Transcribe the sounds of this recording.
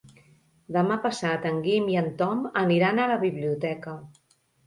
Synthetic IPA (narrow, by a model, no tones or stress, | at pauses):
d̪əmapəsat̪əŋɡimiənt̪ɔməniɾanələβiβliut̪ɛkə